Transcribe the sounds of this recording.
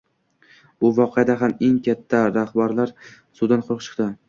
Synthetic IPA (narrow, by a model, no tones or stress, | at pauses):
ʊvɒqʰejad̪aɦame̞ŋkʲʰat̪ʰːaɾahbaɾlaɾ | sʊd̪anqʰolˠɨqt͡ʃʰɨ̥qd̪ɪ